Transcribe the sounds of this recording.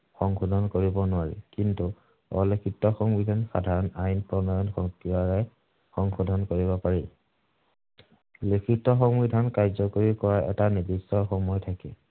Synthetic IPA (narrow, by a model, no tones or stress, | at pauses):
xɔŋxudʱɔnkoɹibɔnʊaɹḭkintu | ɔ̰lɔkitːɔxɔŋbidʱanxa̰dʱaɹɔnajnpɹɔnɔjɔnxɔŋkibaɹɛ | xɔŋxɔdʱɔnkoɹiβɔpaɹil | lekʰitːɔxɔŋbidʱankaɹzɔkoɹikɔɹaʔɛ̰tanidisːɔxɔmɔjtʰakɛ̰